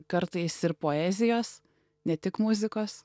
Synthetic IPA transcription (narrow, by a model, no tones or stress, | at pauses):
kɐɾt̪ɐɪsɪɾpoːɛːzʲɪjoːs | nʲɛt̪ʲɪkmʊzʲɪkoːs